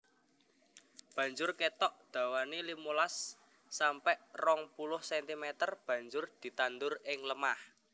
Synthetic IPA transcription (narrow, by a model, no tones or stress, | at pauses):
b̥ä̤ɲd͡ʒʊrket̪ɔʔd̪̥ä̤wanilimulasː | ampɛʔrɔŋpulʊhsɛnt̪imɛt̪ərb̥ä̤ɲd͡ʒʊrd̪̥i̤t̪and̪ʊrɪŋləmah